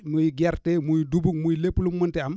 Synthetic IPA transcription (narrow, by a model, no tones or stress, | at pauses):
mujiɡɛɾtemujdubuk̚mujlepːlumuntiam